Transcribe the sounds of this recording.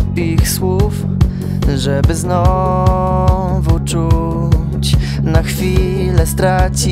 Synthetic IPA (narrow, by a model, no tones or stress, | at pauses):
pixswuf | ʐɛbɘznɔ | vut͡ʂu | t͡ɕ | naxfʲi | lɛst̪ɾat͡ɕi